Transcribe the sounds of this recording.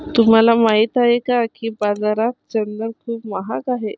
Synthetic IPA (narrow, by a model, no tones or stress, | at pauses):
t̪um̤alamaɦiːt̪aɦekakiːbad͡zaɾat̪̚t͡ɕənd̪əɾkʰuːpmaɦakaɦe